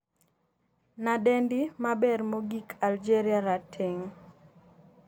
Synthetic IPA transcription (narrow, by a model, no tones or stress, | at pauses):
nadendimabɛrmoɡikʰald͡ʒeɾiaɾatʰeŋ